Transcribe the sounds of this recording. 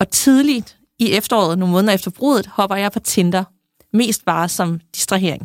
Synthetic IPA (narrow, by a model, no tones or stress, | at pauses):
ɒ̽t͡sʰið̞ˠli̥ | iefd̥ɐɒ̰ːð̩ˠno̝ːmɔ̽ðnð̩ˠɐefd̥ɐb̥ʁo̝̰ðˠð̩ˠhɒ̽b̥ɐjɑɪpʰɒ̽t͡sʰend̥ɐ | me̝̰ːsd̥̚b̥ɑ̈ːsɒ̽md̥i̥sd̥ʁiɦe̝̰ɐ̰eŋ